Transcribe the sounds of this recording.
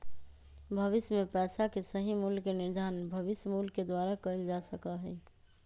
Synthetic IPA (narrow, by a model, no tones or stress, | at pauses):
bʱəbɪsjmepɛːsakesəɦimulkenɪɾd̪ʱaːnbʱəʋɪsjəmulked̪waɾakəld͡ʒasəkaɦɛɪ